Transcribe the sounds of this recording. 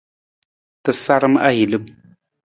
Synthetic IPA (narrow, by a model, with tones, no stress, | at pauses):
tə˨sa˦ɾə˦m˦a̰˦ji˨lɨ˦m